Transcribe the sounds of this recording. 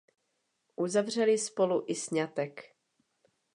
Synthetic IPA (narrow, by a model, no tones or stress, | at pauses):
ʔuzavr̝ɛlɪspoluʔɪsɲat̪ɛk